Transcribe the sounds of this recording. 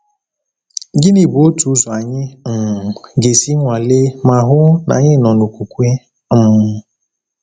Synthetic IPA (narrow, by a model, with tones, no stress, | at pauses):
ɡɪ˦ni˨bo˦tu˨˦zɔ˨a˨ɲɪ˦m̩˨ɡe˨si˦ŋʷa˨le˦ma˨ɦʊ˦na̰˨ɲɪ˦nɔ˨nu˨kʷu˨kʷe˦ | m̩˦˨